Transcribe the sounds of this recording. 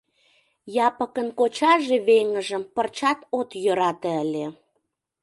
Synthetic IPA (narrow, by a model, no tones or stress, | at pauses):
jɑpə̆kənkot͡ɕɑʒeβeŋə̆ʒə̆mpərt͡ɕɑt̪ot̪jøɾɑt̪ĕəle